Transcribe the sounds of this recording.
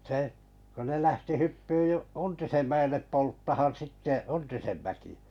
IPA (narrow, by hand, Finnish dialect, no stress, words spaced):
seh kun ne læhti hypːyː u untisem mæelːep poltːɑhɑn sitːe untisen mækiæ̥